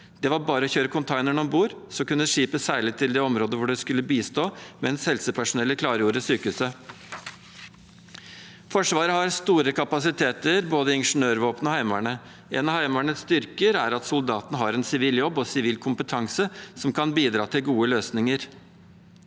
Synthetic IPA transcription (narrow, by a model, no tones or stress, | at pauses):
d̪̥ɛʋɑɾbɑːɾəɔçøːɾəkʰʊnt̪ʰɑɪnəɳɔmbuːɾsɔkʉnːʂiːpəsæːɭɪt̪ʰɪld̪ɛːɔmɾoːd̪əʋʊɖɛskʉlːəbiːst̪oːmɛnshɛlsəpʰæʂʊnɛlːəkʰlɑːɾjuːɾəsyːkʉsə | fɔʂʋɑːɾəhɑɾst̪uːɾəkʰɑpɑsɪt̪ʰeːt̪əɾboːd̪əɪɪnʂɳøːɾʋoːpnəɔhæɪmæɳə | eːnɑhæɪmæɳəst̪ʏɾkəɾæɾɑt̪sʊld̪ɑːt̪nəɦɑɾɛnsɪʋiːljɔbːɔsɪʋiːlkʰʊmpət̪ʰɑŋsəsɔmkʰɑnbiːd̪ɾɑːt̪ʰɪlɡuːəløːsnɪŋəɾ